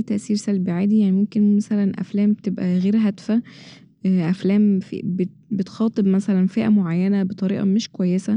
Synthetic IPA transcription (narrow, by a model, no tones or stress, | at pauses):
t̪æʔsiːɾsælbiʕaːd̪ijaʕnimomkenmæsælænʔæ̰flæːmbet̪ebʔæɣeːɾɦæd̪fæ | ʔæflæːmfḭbe | bet̪xɑːt̪ˤebmæsælænfiːʔæmoʕajːænæbet̪ˤɑɾḭːʔɑ̰meʃkowæjːesæ